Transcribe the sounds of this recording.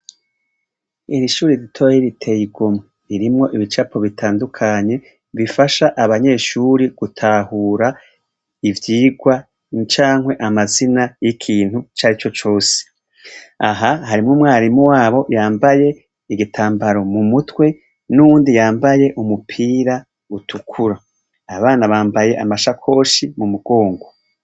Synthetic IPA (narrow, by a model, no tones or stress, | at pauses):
iɾiʃuːɾiɾitʰojeɾitʰe̞jiɡomŋeɾiɾimŋo̞ʔiβit͡ʃapʰo̞βitʰaːndukʰaɲe̞ | βifaʃaʔaβaɲe̞ːʃuːɾiɡ̥utʰahuːɾa | ivjiːɡwa | t͡ʃaːŋwe̞ʔamazinajikʰiːn̥hut͡ʃaɾit͡ʃo̞t͡ʃo̞ːse̥ | aɦahaɾimŋumŋaːɾimuwaːβo̞jaːmbaje̞ | iɡitʰaːmbaɾo̞mumutwe̞ | nuβuːndijaːmbaje̞ʔumupʰiːɾa | utʰukʰuɾaː | βaːnaβaːmbaje̞ʔamaʃakʰo̞ːʃimumuɡo̞ːŋɡo